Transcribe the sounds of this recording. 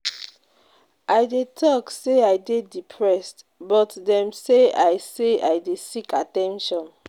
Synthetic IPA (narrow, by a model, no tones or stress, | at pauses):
ʔajdetʰɔkseajdedipʰɹɛst | bɔtdɛ̃mseajseajdesikʰatɛ̃nʃɔ̃n